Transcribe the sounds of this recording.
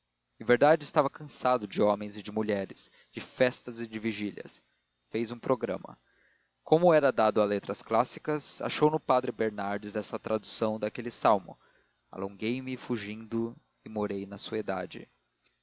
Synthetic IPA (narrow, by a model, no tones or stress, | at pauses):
ɪ̃veɾd̪ad͡ʒɪɪst̪avɐkɐ̃sad̪ʊd͡ʒɪõmẽj̃zɪd͡ʒɪmuʎɛɾɪs | d͡ʒɪfɛst̪ɐzɪd͡ʒɪviʒilʲɐ̰s | fejzũpɾʔoɡɾɐ̰̃mɐ̰ | kõmʊɛɾɐd̪ad̪ʊalet̪ɾɐsklasi̥kɐsa̰ʃownʊpad̪ɾɪbeɾnaɾd͡ʒɪzɛsɐt̪ɾad̪usɐ̃w̃d̪akelɪsawmʊ̰ | a̰lõŋɡejmɪfuʒĩnd̪ʊ | ɪmoɾejnɐsuɐed̪a̰d͡ʒɪ̰